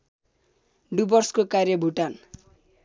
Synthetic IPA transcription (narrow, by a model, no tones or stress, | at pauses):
ɖubʌrskokarjʌbʱuʈan